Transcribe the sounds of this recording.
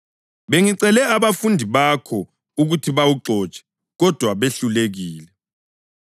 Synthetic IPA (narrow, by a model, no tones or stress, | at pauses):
βeŋiǀɛlɛaβafundʱiβakʰɔ | uɣutʰiβawuǁɔːt͡ʃʼɛ̥ | ɣɔd̥ʱwaβeɬuleɣiːlɛ